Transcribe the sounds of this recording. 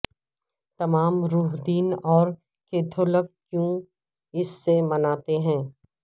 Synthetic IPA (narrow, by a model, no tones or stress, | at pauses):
t̪ɐmaːmɾuːɦd̪iːnɔːɾ | keːt̪ʰoləkː | jũ | ɪsːemɐnaːt̪eɦɛ̃ː